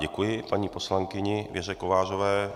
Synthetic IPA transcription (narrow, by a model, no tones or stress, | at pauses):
ɟɛkujɪpaɲiːpo̞slaŋkɪɲɪvjɛrɛkovaːrovɛː